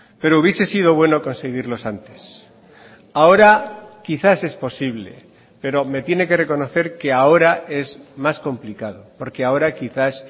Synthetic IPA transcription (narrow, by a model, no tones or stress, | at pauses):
pe̞ɾouβje̞se̞sið̞o̞βwe̞no̞ko̞nse̞ɣ̞iɾlo̞sant̪e̞s | ao̞ɾakiθase̞spo̞siβ̞le̞̰ | pe̞ɾo̞me̞t̪je̞ne̞ke̞re̞ko̞no̞θe̞ɾke̞ao̞ɾae̞zmasko̞mplikað̞o̞po̞ɾke̞ao̞ɾakiθas